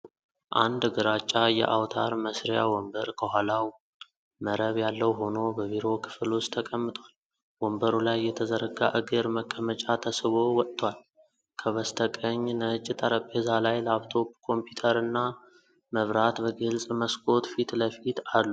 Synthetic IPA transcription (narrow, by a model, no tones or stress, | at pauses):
ʔand̪ɡɨɾat͡ʃʼːajɛ̰ʔawt̪ʰa̰ɾməsɾjawɔmbəɾkʰəhʷalaw | məɾəβjalːəwɦo̞no̞bəβiɾo̞kʰɨ̥flost̪ʰəkʼəmːɨt̪ʼwal | wɔmbəɾulajːɛt̪ʰəzəɾəɡa̰ʔɨɡɨɾməkʼːəmət͡ʃʼat̪ʰəsɨβo̞wɔt̪ʼːwal | kʰəβəst̪ʰəkʼəɲːnət͡ʃʼːɪt̪ʰʼaɾəpʼːezalajləaβt̪ʰo̞bkʰo̞mpʰjut̪ʰəɾɨnːa | məβɾat̪bəɡɨlsʼməskʼo̞t̪fit̪ləfit̪alːu